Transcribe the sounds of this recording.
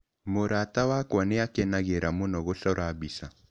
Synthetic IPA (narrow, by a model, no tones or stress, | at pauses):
moɾatawakwaneakɛnaɣeɾamonɔɣoɬɔɾabisa